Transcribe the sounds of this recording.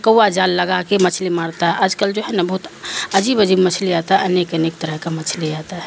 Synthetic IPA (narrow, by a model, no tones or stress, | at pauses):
kəwad͡ʒaːlːɐɡakemɐt͡ʃʰlemaːɽt̪aɦɛʔaːd͡ʒkəld͡ʒoːɦɛnɐbɐɦʊt̪ɐd͡ʒiːbəd͡ʒiːbmɐt͡ʃʰleaːt̪aɦɛʔɐneːkɐneːk̚t̪əɾəɦkamɐt͡ʃʰleaːt̪aɦɛ